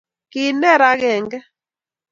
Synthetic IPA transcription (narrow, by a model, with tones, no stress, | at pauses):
kɪ˨nɛ˦ɾa˦ɣɛ˨ŋɡɛ˦